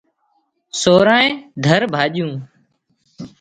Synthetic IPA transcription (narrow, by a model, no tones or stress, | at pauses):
soːɾãːẽːd̪ʱəɾbʱaːʄjũː